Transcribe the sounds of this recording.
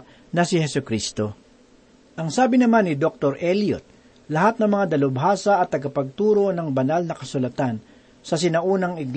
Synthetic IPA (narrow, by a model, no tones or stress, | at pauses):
nɐsɪhɛsʊkɾist̪o | ʔɐŋsaːbɪnɐmanːɪd̪ok̚t̪oɾʔɛlijo̰t̪̚ | lɐɦat̪̚nɐŋmɐŋad̪ɐlʊbɦaːsɐɐt̪ːɐɡapɐɡ̚t̪uːɾo̞nɐŋbɐnalnɐkɐsʊlɐt̪an | sɐs̬ɪnɐʔuːnɐŋɪɡ